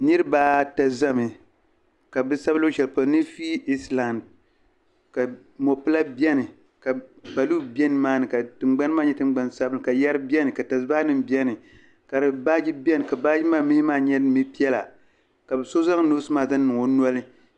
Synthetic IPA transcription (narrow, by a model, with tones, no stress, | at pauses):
nɨ˦ɾɨ˦baː˦ta˨za˦mɨ˨ | ka˨bɨ˦sa˦bɨ˦lo˦ʃɛ˨lpa˨˦nɨ˦fi˦i˦sla˨nd̚ | ka˨ | mo˨pɨ˦la˦bɛ˦nɨ˨ | ka˨ba˨lu˦bɛ˦nɨ˦maː˦nɨ˨ka˨tɨ˨ŋ͡mɡ͡ba˦n˦maː˦ɲɛ˦tɨ˦ŋ͡mɡ͡ba˦nsa˦bɨ˦ɨ˨ka˨ja˦ɾɨ˦bi˦ɛ˦nɨ˨ka˨ta˨sɨ˦ba˦nɨ˦mbjɛ˦nɨ˨ | ka˨ɾɨ˨baː˦d͡ʒi˦bɛ˦nɨ˨ka˨baː˦d͡ʒi˦maː˦mi˦hi˦maː˦˨ɲɛ˦mi˦pi˦ɛ˦la̰˨ | ka˨bɨ˨so˦za˦ŋno˦sɨ˦maː˦˨za˦nː˦ɨ˨ŋo˨nɔ˦lɨ˦